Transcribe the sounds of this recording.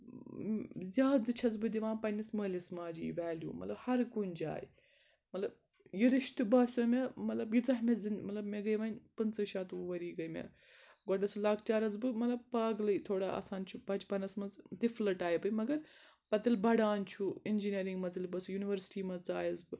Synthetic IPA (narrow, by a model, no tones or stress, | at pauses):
zʲjaːd̪ɨt͡ʃʰɐzbɨd̪iʋãːpɐnisməːlʲismaːd͡ʒḭːʋaːljṵːmɐ̰t̪lɐbhɐɾkunʲd͡ʒa̰ːj | mɐt̪lɐb | jiɾiʃt̪ɨbaːsɐmʲɐmɐt̪lɐbjit͡sɐɦmɐzinmɐt̪lɐbmeɡɐjʋɐnʲpɨnt͡sɨʃaːt̪uʋɐɾiːɡɐjmʲɐ̰ | ɡɔɖɐslaːkt͡ʃaːɾɐzbɨmɐt̪lɐb̚paːɡlɐjt̪ʰoːɽaːɐ̰ːsaːnt͡ʃʰubɐt͡ʃpɐnɐsmɐzd̪iflɐʈaːjibɨmɐɡɐɾ | pɐt̪ɨlbɐɽaːnt͡ʃʰuind͡ʒiniɐɾiŋɡmɐzɨlbɐsjuːniʋɐɾsʈiːmɐzt͡saːjɐzbɨ